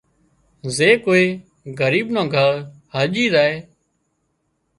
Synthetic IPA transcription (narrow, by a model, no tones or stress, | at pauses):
zeːkoːeː | ɡəɾiːɓnãːɡʱəɾhəːʄiːzaːeː